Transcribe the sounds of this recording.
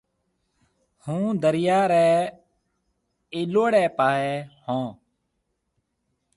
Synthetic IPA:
hũːd̪əɾɪjaːɾɛː | eːloːɽɛːpaːɦɛːhõː

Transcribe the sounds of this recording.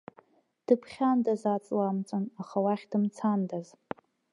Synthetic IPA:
d̥ɨpʰχʲandazat͡sʼlamt͡sʷʼɨnaχawaχʲd̥ɨmt͡sʰandaz

